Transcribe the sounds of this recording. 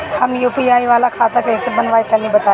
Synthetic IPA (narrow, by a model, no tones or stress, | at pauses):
hɐmjuːpiaːiʋaːlakʰaːt̪akɐɪ̃sebɐnʋaːit̪ɐlĩbɐt̪aː